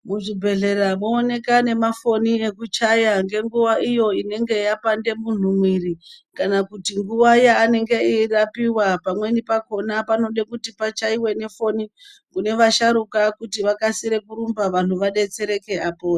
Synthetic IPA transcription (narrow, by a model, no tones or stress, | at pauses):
muʐibʱe̞ɮe̞ɾamoːne̞kane̞mafo̞niekut͡ʃajaŋɡe̞ŋɡuʋaijo̞ine̞ŋɡe̞japande̞mun̤umwiɾikanakutiŋɡuʋajaːne̞ŋɡe̞irapiwapamwe̞nipako̞napano̞ɗe̞kutipat͡ʃaiwe̞ne̞fo̞ni | kune̞ʋaʃaɾukakutiʋakasiɾe̞kuɾumbaʋan̤uʋaɗe̞t͡se̞ɾe̞ke̞apoːa